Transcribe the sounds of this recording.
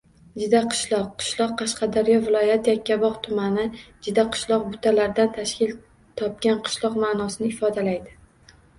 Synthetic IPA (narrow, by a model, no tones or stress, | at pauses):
d͡ʒʊd̪aqʰɨ̥ʃlˠɒqʰːɨ̥ʃlˠɒqːɑʃqʰɑd̪aɾjɒvɪlˠɒjat̪jakʲʰːabɒqt̪ʰʊmanɪd͡ʒʊd̪aqʰɨ̥ʃlˠɒq̚bʊt̪ʰalaɾd̪ant̪ʰaʃkʲɪl | t̪ʰɒp̚ɡʲanqʰɨ̥ʃlˠɒqmanɒsɪnɪɪfɒd̪alajd̪ɪ